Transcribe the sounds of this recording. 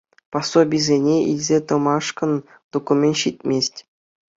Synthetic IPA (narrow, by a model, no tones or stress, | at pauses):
pɑsːobʲizʲenʲeḭlʲzʲet̪ɤ̆mɑʂkɤ̆n | d̪̥okumʲenʲɕit̪ʲmʲesʲtʲ